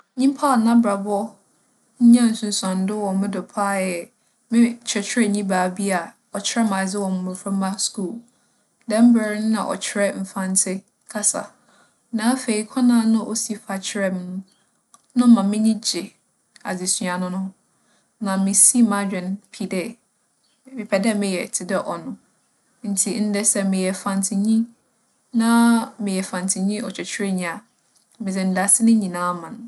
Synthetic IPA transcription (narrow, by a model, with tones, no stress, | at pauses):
ɲĩ˦m˦pʰa˦˨nã˦bɾa˨bʊ˦ɔ˦ | ɲ̩˦ɲã˦˨n̩˨sũ˨n˨sã˨n˦dɪ˦wɔ˨mɪ̃˦dɔ˨pʰa˦jɛ˨ | mɪ̃˦t͡ɕʰɾɛ˨t͡ɕʰᶣɪ˦ɾɛ˦ɲĩ˦baː˨bi˦a˨ | ɔ˨t͡ɕʰɪ˦ɛ˦mã˨d͡zɪ˦wɔ̃˨mʊ̃˨mʊ̃˨fã˦mã˦sku˦˨l | dɛ̃˦m̩˦bɛ˨ɾɪ˦nʊ̃˦nã̰˨ʔɔ̰˨t͡ɕʰɪ˦ɾɛ˦m̩˨fã˦n˦tʰɪ˦ | kʰa˦sa̰˨ | nãː˨˦fe˨i˨kʰɔ˦nã˦nʊ̃˦ʔo˦si˨˦fa˨t͡ɕʰɪ˦ɾɛ˦m̃˦ñ˦ | nʊ̃˦mã˨mɪ̃˦ɲĩ˦d͡ʑɪ˨ | a̰˨d͡zi˨sɥa˨nʊ̃˦nʊ̃˦ | nã˨mɪ̃˨si˦mã˨˦d͡ʑᶣɛ̃˨npʰi˦dɛ˦ | mɪ̃˨pʰɛ˨dɛ˦mɪ̃˨jɛ˨tʰɪ˨dɛ˦ʔɔ˨nʊ̃˨ | n̩˨˦tʰi˨n̩˦dɛ˦sɛ˦mɪ̃˨jɛ˨fã˨n˨tʰɪ˨ɲĩ˦ | nã˦mɪ̃˨jɛ˨fã˨ntʰi˨ɲĩ˦ɔ˨t͡ɕʰᶣɛ˨t͡ɕʰᶣɾɛ˦ɲĩ˨a˨ | mɪ̃˨d͡zɛ˨n̩˨˦da˨sɪ˦nɪ̃˦ɲĩ˨nãː˦mã˨n˨